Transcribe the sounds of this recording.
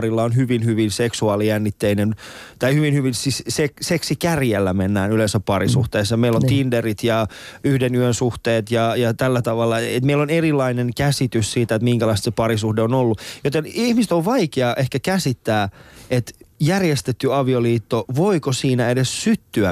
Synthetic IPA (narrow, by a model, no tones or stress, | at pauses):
rilːɑonhyʋinhyʋinseksuɑːlijænːit̪ːeinen | t̪ɑihyʋinhyʋinsissekseksikærjelːæmenːæːnylensæppɑrisuht̪eːsːjɑmeilːont̪inderit̪jɑ | yhdenyønsuht̪eːt̪jɑjɑt̪ælːæt̪ɑʋɑlːɑet̪meilonerilːˑɑinenkæsit̪yssiːt̪æet̪miŋkælɑist̪sepɑɾisuhdeonolːujot̪enihmist̪oʋʋɑikeɑʔehkækæsit̪ːæːʔet̪jærjest̪et̪ːyɑʋioliːt̪ːoʋoikosiːnæedessyt̪ːyæ